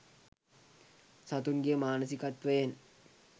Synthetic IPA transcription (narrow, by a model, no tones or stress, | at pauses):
sat̪unɡejəmaːnəsikat̪ʋəjen